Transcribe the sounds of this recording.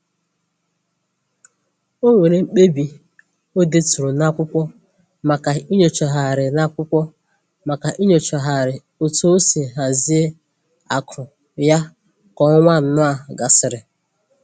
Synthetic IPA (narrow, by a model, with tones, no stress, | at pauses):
o˦ŋʷe˨ɾe˨ŋ͡m̩˦k͡pe˦bi˨ | o˦de˦tu˨ɾo˨na˦kʷʊ˦kʷɔ˦ | ma˨ka˨i˦ɲo˨t͡ʃɔ˨ɦa˨ɾɪ˨na˦kʷʊ˦kʷɔ˦ | ma˨ka˨ʔi˦ɲo˨t͡ʃɔ˨ɦa˨ɾɪ˨ | o˨to˦o˦si˨ɦa˨zi˦e˦ | a˨kʰʊ˨ | ja˦ | kɔ˨˦ŋʷa˦˨n̩˨nʊ˦a˨ɡa˨sɪ˨ɾɪ˨